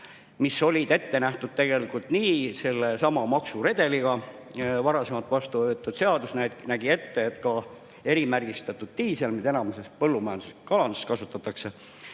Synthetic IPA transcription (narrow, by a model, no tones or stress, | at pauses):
misːo̞lʲid̪̥e̞t̪ːe̞næht̪ud̥̪̚t̪e̞ɡ̥e̞likːˑult̪niːse̞lːe̞sɑmɑmɑksuɾe̞d̪̥e̞liɡ̥ɑ | vɑɾɑse̞mɑlt̪ːˑvɑst̪uøːt̪ːˑud̪̥se̞ɑd̪usnænæɡ̥ie̞t̪ːe̞et̪kɑ | e̞ɾimærɡist̪ɑt̪ːˑud̪̥t̪iːselmid̪e̞nɑmese̞st̪̚pɤlːumɑjɑnd̪u̥seskɑlɑnd̪uskɑsut̪ːˑɑt̪ːˑɑkse̞